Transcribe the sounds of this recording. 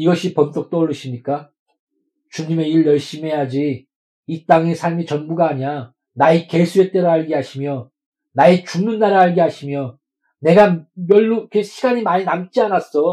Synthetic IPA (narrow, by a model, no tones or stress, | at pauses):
iɡʌɕʰipʌnt͈ʌk̚t͈oːɭːɯɕʰimɲik͈a | t͡ɕuɲime̞iɭjʌɭɕ͈imɦe̞jad͡ʑiː | t͈aŋe̞sʰaɭmit͡ɕʌnbuɡaːɲiɾa | naike̞sʰue̞t͈eɾɯaɭɡeɦaɕʰimjʌ | naet͡ɕuŋnɯnːaɾaɭɡeɦaɕʰimjʌ | ne̞ɡamjʌɭːukeɕʰiɡaɲimaɲinamt͡ɕ͈ianas͈ʌ